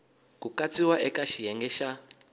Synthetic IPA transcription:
kukat͡siwaʔɛkaʃijɛŋɡɛʃa

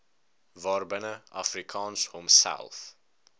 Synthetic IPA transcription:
vɑːrbənəɑfrikʰɑːnshomsæ̰lˠθ

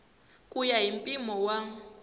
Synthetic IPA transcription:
kʼujaɦimpʼimɔwa

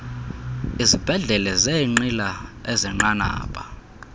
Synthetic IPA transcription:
izib̥ʱɛɮɛlɛzeŋ͡ǃilaezɛŋ͡ǃana̰ːpʼa

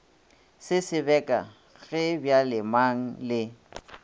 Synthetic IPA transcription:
sɪsɪbɛkʼa̰ | ɣɛbjalɪmaŋ̩lɪ

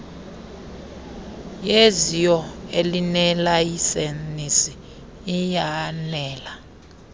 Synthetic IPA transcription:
jezijɔelinɛlajisenisiː | janɛːla

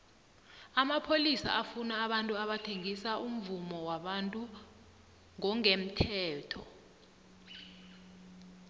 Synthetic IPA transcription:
amapʰolisa̰ʔafunaːɓantʼuaɓatʰeŋisaʔum̩vumɔwaɓantʼu | ŋɔŋem̩tʰɛːtʰɔ̰

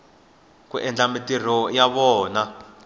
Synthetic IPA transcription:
k̬ṵʔɛnd͡ɮamitir̤ɔjaβɔːna

